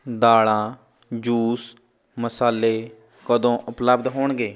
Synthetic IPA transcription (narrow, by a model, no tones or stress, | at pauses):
d̪aːɭãː | d͡ʒuːs | məsaːlːeː | kəd̪õːʔʊpləbd̪ɦoːɳɡeː